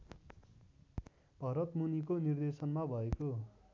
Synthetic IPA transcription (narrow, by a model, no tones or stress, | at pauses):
b̥ʱʌɾʌt̪munikonird̪esʌnmabʱʌeko